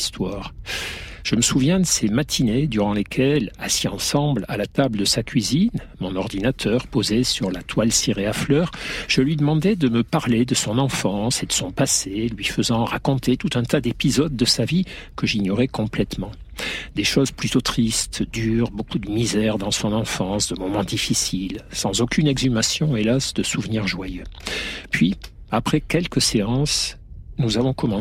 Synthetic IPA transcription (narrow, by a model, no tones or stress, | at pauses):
st̪waːʁ | ʒ̥əməsuvjɛ̃d̪əsemat̪ʰined̪yʁɑ̃lekʲʰɛlasiɑ̃sɑ̃blalat̪abləd̪əsakʲɥizin | mɔ̃nɔʁd̪inat̪ʰœʁpozesyʁlat̪ʰwalseʁeaflœʁʒ̥əlɥid̪əmɑ̃d̪ɛd̪əməpaʁled̪əsɔ̃nɑ̃fɑ̃sed̪əsɔ̃paselɥifəzɑ̃ʁakɔ̃t̪ʰet̪ut̪ɛ̃t̪ad̪epizɔd̪̚ːəsavikəʒiɲɔʁɛkɔ̃plɛt̪mɑ̃ | d̪eʃozplyt̪ot̪χist̪d̪yːʁbokud̪əmizɛʁd̪ɑ̃sɔ̃nɑ̃fɑ̃sd̪əmɔmɑ̃d̪ifisilsɑ̃zokʲynɛɡzymasjɔ̃elasd̪əsuvniʁʒwajøpɥi | apχɛkʲɛlkəseɑ̃s | nuzavɔ̃kɔmɑ̃